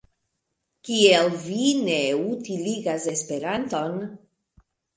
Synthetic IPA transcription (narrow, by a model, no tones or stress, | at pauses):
kielvineutiliɡase̞spe̞ɾanto̞n